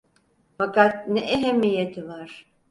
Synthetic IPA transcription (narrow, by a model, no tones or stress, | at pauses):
fakat̪̚nɛʔeɦemijet̪ʰivaɾ̥